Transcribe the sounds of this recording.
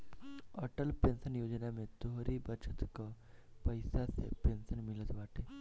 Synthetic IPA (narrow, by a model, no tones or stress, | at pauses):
ɔʈəlpeːnsənjoːd͡ʒnamẽt̪oɦɾibət͡ʃət̪ka | pɐɪsasḛpeːnsənmɪlət̪ʋaːʈʰeː